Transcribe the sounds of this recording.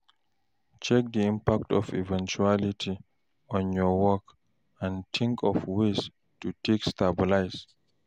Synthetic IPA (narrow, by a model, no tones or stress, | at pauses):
t͡ʃɛk̚d̪iĩmpak̚tɔfḭvɛ̃nt͡ʃualitʰi | ɔ̃njɔwɔk | ãntʰĩŋkʰɔfwes | tutʰekstabilajs